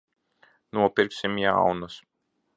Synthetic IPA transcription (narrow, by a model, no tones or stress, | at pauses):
nuɔpiɾksimjawnas